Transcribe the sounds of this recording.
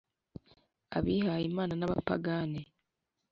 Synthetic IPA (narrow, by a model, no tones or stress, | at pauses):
aβihajimaːnanaβa̰pa̰ɡane